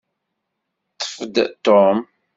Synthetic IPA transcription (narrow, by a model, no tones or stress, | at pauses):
t̪ːə̥fəd̪t̪om